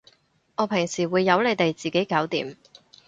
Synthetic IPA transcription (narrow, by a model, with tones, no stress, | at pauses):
ŋɔː˨˧pʰɪ˨˩ŋsiː˨˩wuː˨˧jːɐ˨˧wle˨˧jt̪e˨jt͡siː˨˩ke˨˥jkaː˨˥wt̪iː˨˧m